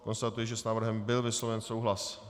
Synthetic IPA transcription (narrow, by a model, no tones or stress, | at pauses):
ko̞nst̪at̪ujɛʒɛsnaːvr̩ɦɛmbɪlvɪslovɛnsowɦlas